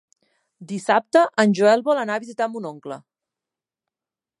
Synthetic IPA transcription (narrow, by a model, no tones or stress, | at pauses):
d̪isap̚t̪əʔənʲʒuɛlˠβɔlənaβizit̪ambunoŋklə̰